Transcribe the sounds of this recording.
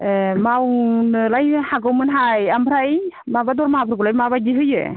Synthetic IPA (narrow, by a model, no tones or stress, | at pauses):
mawnɯlajhaɡɯwmɯnɦajamʰɾaj | mabadɔlmaɦapʰɾɡulajmaβaɡiɦɯjɯ̰